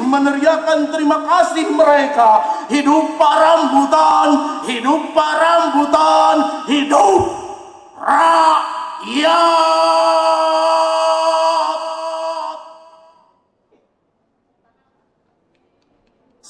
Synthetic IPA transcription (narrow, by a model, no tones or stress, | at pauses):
mənəɾiakant̪əɾimakasɪhməɾekahidupːaɾaŋbut̪anhidʊpːaɾaŋbut̪anhidʊp̚ | ra | ja | s